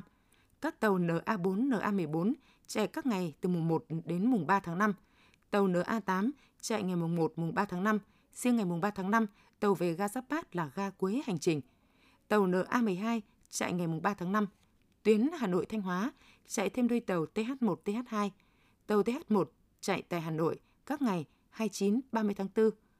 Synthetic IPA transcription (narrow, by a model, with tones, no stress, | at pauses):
kaː˦˥k̚t̪ə˨˩wnəː˨˩ʔaː˧ɓo˨˦nːəː˨˩ʔaː˧mɨ˨˩əjɓo˨˦n | t͡ɕa̰˧˩kaː˦˥k̚ŋa˨˩jt̪ɨ˨˩m˨˩ŋ͡mmo˨˩t̚ɗe˨˦nmʊ˨˩ŋ͡mɓaː˧t̪ʰaː˨˦ŋna˧m | t̪ə˨˩wnəː˨˩ʔaː˧t̪aː˨˦m | t͡ɕa̰ː˧˨jŋa˨˩jmʊ˨˩ŋ͡mmo˨˩t̚mʊ˨˩ŋ͡mɓaː˧t̪ʰaː˨˦ŋna˧m | sɨ˧əŋa˨˩jmʊ˨˩ŋ͡mɓaː˧t̪ʰaː˨˦ŋna˧m | t̪ə˨˩wve˨˩ɣaː˧zaː˦˥p̚ɓaː˦˥t̚laː˨˩ɣaː˧ku˨˦jha˨˩jŋ̟t͡ɕï˨˩ŋ̟ | t̪ə˨˩wnəː˨˩ʔaː˧mɨ˨˩əjɦaː˧j | t͡ɕa̰ː˧˨jŋa˨˩jmʊ˨˩ŋ͡mɓaː˧t̪ʰaː˨˦ŋna˧m | t̪wi˨˦ənhaː˨˩no̰˧˨jt̪ʰa˧jŋ̟ɦwaː˨˦ | t͡ɕa̰ː˧˨jt̪ʰe˧mɗə˧jt̪ə˨˩wt̪e˧ɦaː˦˥t̚mo˨˩t̚t̪e˧haː˦˥t̚haː˧j | t̪ə˨˩wt̪e˧˦haː˦˥t̚mo˨˩t̚ | t͡ɕa̰ː˧˨jt̪a̰ː˧˨jɦaː˨˩no̰˧˨j | kaː˦˥k̚ŋa˨˩j | haː˧jt͡ɕi˨˦nɓaː˧mɨ˧əjt̪ʰaː˨˦ŋt̪ɨ˧